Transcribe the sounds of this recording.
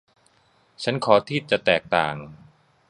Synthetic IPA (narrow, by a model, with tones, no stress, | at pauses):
t͡ɕʰa˦˥nkʰɔː˩˦t̪ʰiː˥˩t͡ɕa˨˩t̪ɛː˨˩k̚t̪a̰ː˨˩ŋ